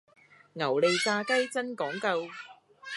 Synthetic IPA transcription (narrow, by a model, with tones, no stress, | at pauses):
ŋɐ˨˩wle˨jkaː˧kɐ˥jt͡sɐ˥nkɔː˨˥ŋkɐ˧w